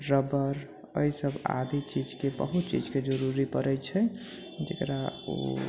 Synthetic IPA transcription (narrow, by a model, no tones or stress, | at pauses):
ɾəbəɾ | əisəba̰d̪it͡ʃid͡ʒkebə̰ɦut̪t͡ʃid͡ʒked͡ʒəɾuɾipəɾɛt͡ʃʰɛ | d͡ʒekɾao̰